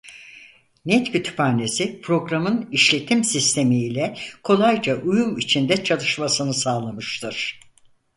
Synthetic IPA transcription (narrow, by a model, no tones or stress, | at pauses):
nɛt̪cʰyt̪ʰy̥paːne̞sipʰɾo̞ɡɾamɯniʃlʲe̞t̪ʰimsist̪ʰe̞miːlʲɛkʰo̞lˠajd͡ʒaʔujumit͡ʃʰind̪ɛt͡ʃʰalˠɯʃmasɯnɯsaːlˠamɯʃt̪ʰɯɾ̥